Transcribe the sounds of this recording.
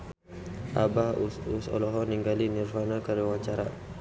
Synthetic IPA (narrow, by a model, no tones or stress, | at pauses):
ʔabahuusɔ̰lɔɦɔniŋɡalinirvanakəɾiwat͡ʃaɾa